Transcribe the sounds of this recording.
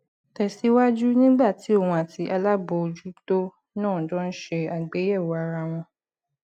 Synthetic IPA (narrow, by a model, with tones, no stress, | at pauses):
tɛ˨si˨˦wa˦d͡ʒu˦nĩ˦ɡ͡ba˦˨ti˨˦o˦˨wũ˧a˨ti˨˦ʔa˧la˦bo˧˨o˧d͡ʒu˦to˦ | nãː˦˨dɔ̃˦n̩˦ʃe˧a˨ɡ͡be˨˦jɛ˦˨wɔ˨a˨ɾa˧w̃ɔ̃˧